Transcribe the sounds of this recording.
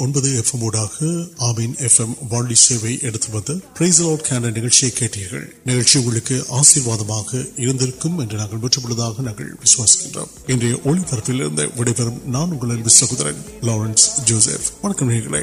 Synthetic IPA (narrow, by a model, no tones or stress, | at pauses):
ɔnbɐðɯɛfɛmoːɽaːɣɐaːminɛfɛmʋaːɳɖiseːʋɐɪʔɛɽɯt̪ːɯʋɐnðd̪ɯpɾɐɪsɐloːʈkʰaːɳɖɐnɪɣɐɭt͡ʃɪjɐɪkːeːʈːiːɾɣɐ̰ɭnɪɣɐɭt͡ʃːɪʊŋɡɐɭɯkːɯʔaːsiːɾʋaːðɐmaːɣɐɪɾɐnd̪ɪɾɯkːɯmɛndrɐnaːŋɡɐɭmɛʈrɐpːɐɭːɐðaːɣɐnɐːŋɡɐ̰ɭʋɪsʊʋaːsɪ̥kːɪndrɐ̰mɛndrɐjɐʔɔɭipɐɾɐpːɪlɪ̰ɾɯ̰nd̪ɐ̰ʋɪɽɐɪpɐɾɐmnaːnʊŋɡɐɭɐnʋɪsʋɐɣɯðɐɾɐ̰nloːɾɐnsd͡ʒoːsḛfʋɐɳɐkːɐmɦeːɾɣɐɭɐ̰ɪ